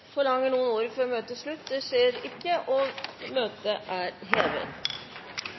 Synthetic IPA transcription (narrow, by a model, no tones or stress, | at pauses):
fɔɭɑŋːəɳuːənoːɾəfɔɾɔmøːt̪əsɭʉt̪ːd̪ɛʂeːɾɪkːəʔɔmøːt̪əʔæɾɦeːʋə̰